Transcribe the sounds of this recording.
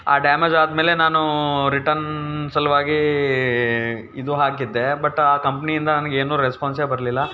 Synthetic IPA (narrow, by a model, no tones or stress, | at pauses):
a̰ːɖjaːmed͡ʒaːd̪meːle̞naːnuɾiʈɐɾnsɐlɐʋaːɡi | id̪uɦaːkid̪ːe̞bɐʈːaːkɐmpɐniind̪ɐnɐnɐɡeːnuːɾespaːns̬eːbɐɾɐlilːɐ